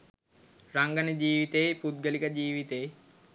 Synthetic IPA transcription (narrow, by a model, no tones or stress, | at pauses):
raŋɡanəd͡ʑiːʋit̪ejpud̪̚ɡəlikəd͡ʑiːʋit̪ej